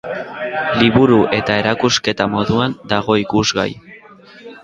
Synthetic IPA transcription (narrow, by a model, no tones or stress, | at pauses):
liβuɾuʔe̞t̪ae̞ɾakuske̞t̪amo̞ðuand̪aɣ̞o̞ikuzɣa̰j